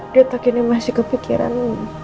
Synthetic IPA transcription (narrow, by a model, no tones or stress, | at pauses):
diat̪okinimasɪhkəfikḭɾa̰n